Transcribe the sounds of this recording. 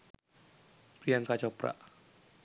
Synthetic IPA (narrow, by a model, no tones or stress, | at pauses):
b̥ɾijankat͡ʃɔpɾa̰ʔ